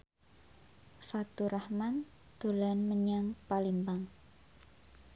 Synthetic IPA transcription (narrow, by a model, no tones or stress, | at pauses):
fat̪uɾʔahman | d̪̥o̤lanməɲaŋpalimbaŋ